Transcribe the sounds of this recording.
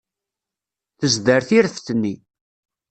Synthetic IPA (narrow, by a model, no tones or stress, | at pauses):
θəzd̪əɾθiɾəfθnːi